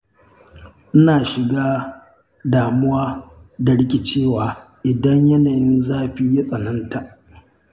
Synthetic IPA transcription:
ʔɪ˦naː˨ʃɪ˨ɡaː˦ | daː˨mʊ˦waː˦da˨ɽɪ˦kʲi˨t͡ʃeː˦˨waː˨ | ʔɪ˨dɐ˦ɲjɐ˦naː˨jɪ˦nzaː˦ɸiː˦ja˦sʼɐ˨nɐ˦nta˨ʔ

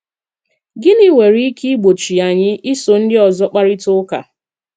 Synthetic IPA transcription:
ɡɪ˦nɪ˦ŋʷe˨ɾi˦ki˦ɡ͡bo˨t͡ʃi˨a˨ɲɪ˦ʔi˦so˨n̩˦dɪ˦ɔ˨zɔ˦k͡pa˦ɾɪ˦tʊ˦ka̰˨

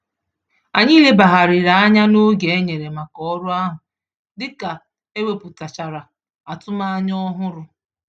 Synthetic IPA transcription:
a˨ɲi˦le˦ba˨ɦa˨ɾɪ˨ɾa˨a˦ɲa˦no˦ɡe˨e˦ɲe˨ɾe˨ma˨kɔ˦ɔ˦ɾʊ˦a˦ɦʊ˨ | dɪ˦ka˨ | e˦we˦˨pu˨ta˨t͡ʃa˨ɾa˨ | a˨tʊ˦ma˦ɲɔ˦ɦʊ˦ɾʊ˨

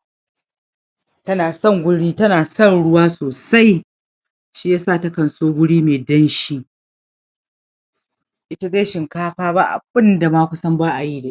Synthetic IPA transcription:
tɐ˦naː˨sɐ˦˨ŋɡʷʊ˦ɽiː˦tɐ˦naː˨sɐ˦˨nɽʊ˦waː˦soː˨sa˦j | ʃiː˦jaː˦saː˦˨ta˦kɐ˨nsoː˦ɡʷʊ˦ɽiː˦meː˨dɐ˦nʃiː˦ | ʔɪ˦ta˦de˦ʃɪ˨ŋkaː˦ɸaː˦ba˦ʔa̰˨bɪ˦nda˨maː˦kʷʊ˦sɐ˦mbaː˦ʔa˨ji˦deː˨ʔ

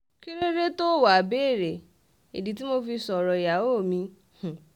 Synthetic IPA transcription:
ki˦ɾe˦ɾe˦to˦˨wa˨beː˦˨ɾe˨ | e˨di˨t̬i˦mo˧fi˧sɔ˨ɾɔ˨ja˨o˦˨mĩ˧ | h̩˨

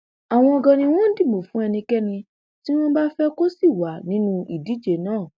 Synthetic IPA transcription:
a˨w̃ɔ̃˧ɔ˧ɡã˧nĩ˧w̃ɔ̃˦n̩˦di˦˨mõ˨fũ˨˦ɛ˧nĩ˧kɛ˦nĩ˧ | ti˦w̃ɔ̃˦ba˦fɛ˦ko˦si˦˨wa˨˦nĩ˨˦nũ˧i˨di˨˦d͡ʒe˨nãː˦˨

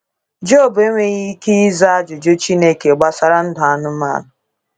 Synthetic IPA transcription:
d͡ʒo˦˨bʊ˨e˦ŋʷe˦ɣi˦ki˦i˦za˦a˦d͡ʒʊ˨d͡ʒo˦t͡ʃi˦ne˦˨ke˨ɡ͡ba˦sa˦ɾa˦n̩˦dʊ˨a˦nʊ˦ma̰˦˨nʊ˨

